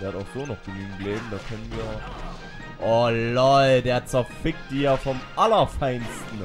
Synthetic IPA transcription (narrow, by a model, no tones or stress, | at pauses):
d̥eːɐhataʊxz̥oːnɔχɡ̥ənyːɡŋ̩ɡleːbm̩daːkʰœnənviːɐ | ʔɔlɔldeːɐt͡sɛɐfɪk̚td̥iːfɔmʔalɐfaɪnstn̩